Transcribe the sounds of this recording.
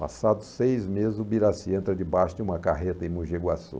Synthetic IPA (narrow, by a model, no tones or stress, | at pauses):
pa̰sad̪ʊsejzmezɪzʊbiɾasiẽnt̪ɾɐd͡ʒɪbaʃʊd͡ʒɪũmɐkaɦet̪ɐẽmũʒeɡwasṵ